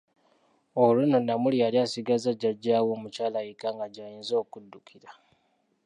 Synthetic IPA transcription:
olunonamulialiasiɡazaɟaɟawomut͡ʃaːlajikaŋɡaɟajinzoːkudːukʰiɾa

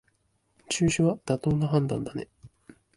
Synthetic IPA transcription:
t͡ɕɨːɕɨβad̪̥at̪o̞ːnaɦãnd̪ãnd̪ane̞

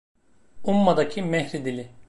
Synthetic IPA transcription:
umːad̪acʰimɛhɾid̪ilʲɪ

